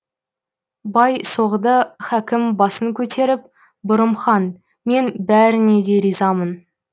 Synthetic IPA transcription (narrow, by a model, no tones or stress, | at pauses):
bɑjso̞ʁəd̪əχækʲɪmbɑsəŋkʲʰɵt̪ʰe̞ɾɪp̚ | bʊɾəmχɑn | me̞nbæɾɪne̞d̪e̞ɾijzɑmən